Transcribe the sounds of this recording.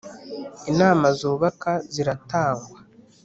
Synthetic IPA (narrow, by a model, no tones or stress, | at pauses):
inaːmazuɾuβakaziɾataːŋɡwa